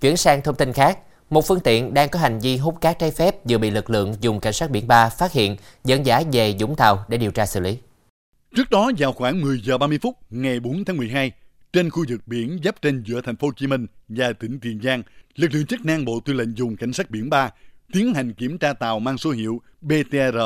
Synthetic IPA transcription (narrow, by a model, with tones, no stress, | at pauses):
t͡ɕwḭ˧˩ənsaː˧ŋt̪ʰə˧ŋ͡mt̪i˧nxaː˦˥k̚ | mo˨˩t̚fɨ˧əŋt̪ḭ˧˨ənɗaː˧ŋkɔ˨˦ɦa˨˩jŋ̟vi˧ɦu˦˥p̚kaː˦˥k̚t͡ɕaː˨˦jfɛ˦˥p̚zɨ̰˨˩ɓḭ˧˨lɨ˨˩k̚lɨ̰˧˨əŋzʊ˨˩ŋ͡mka̰˧˩jŋ̟saː˦˥t̚ɓḭ˧˩ənɓaː˧faː˦˥t̚hḭ˧˨ənzə̰˧˩nzaː˨˦ve˨˩zʊ̰˧˥˦ŋ͡mt̪aː˨˩wɗe˧˩ɗi˨˩əwt͡ɕaː˧sɨ̰˧˨li˨˦ | t͡ɕɨ˦˥ək̚ɗɔ˨˦zaː˨˩wxwaː˧˩ŋmɨ˨˩əjzəː˨˩ɓaː˧mɨ˧əjfʊ˦˥t̚ŋa˨˩jɓo˨˦nt̪ʰaː˨˦ŋmɨ˨˩əjɦaː˧j | t͡ɕe˧nxu˧zɨ˨˩k̚ɓḭ˧˩ənzə˦˥p̚t͡ɕe˧nzɨ̰˧˥ət̪ʰɛ˨˩ŋ̟fo˨˦t͡ɕi˨˦mï˧ŋ̟zaː˨˩t̪ï˧˩˦ŋ̟t̪i˨˩ənzaː˧ŋlɨ˨˩k̚lɨ̰˧˨əŋt͡ɕə˦˥k̚naː˧ŋɓo̰˧˨t̪wi˧lḛ˧˨ŋ̟zʊ˨˩ŋ͡mka̰˧˩jŋ̟saː˦˥t̚ɓḭ˧˥ənɓaː˧t̪i˨˦ənɦa˨˩ŋ̟ki˧˩əmt͡ɕaː˧t̪a̰ː˨wmaː˧ŋso˨˦ɦḭ˧˨əw | ɓe˧t̪e˧zəː˧˩